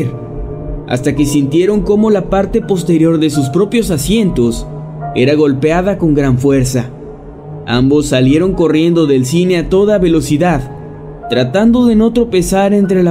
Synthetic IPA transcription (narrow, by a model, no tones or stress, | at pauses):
ɾ | a̰st̪ake̞sint̪je̞ɾo̞ŋko̞mo̞lapaɾt̪e̞po̞st̪e̞ɾjo̞ɾðe̞suspɾo̞pjo̞sasje̞nt̪o̞s | e̞ɾaɣo̞lpeaðako̞ŋɡɾaɱfwe̞ɾsa | a̰mbo̞sːalje̞ɾo̞ŋko̞rje̞nd̪o̞ðe̞lsine̞at̪o̞ðaβe̞lo̞siðað | t̪ɾat̪and̪o̞ðe̞no̞t̪ɾo̞pe̞saɾe̞nt̪ɾe̞la